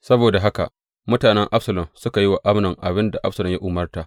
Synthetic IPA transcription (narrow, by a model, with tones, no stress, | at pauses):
sɐ˦boː˨da˨ɦa˦ka̰˨ | mʊ˦taː˨nɛ˦ŋʔa˦ɸsɐ˨lɔ˨msʊ˦ka˨jɪ˦wa˨ʔa˦mnɐ˨ŋʔa˨bɪ˦nda˨ʔa̰˦ɸsɐ˨lɔ˨mja˦ʔʊ˨mɐ˦rtaː˨ʔ